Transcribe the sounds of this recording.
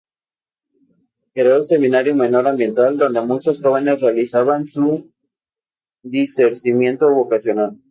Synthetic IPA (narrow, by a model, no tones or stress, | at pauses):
keɾause̞mĩnaɾjome̞noɾambje̞nt̪ald̪o̞nd̪e̞mut͡ʃosxo̞βe̞ne̞srealisaβansu | ðiseɾsimje̞nt̪oβo̞kasjo̞nal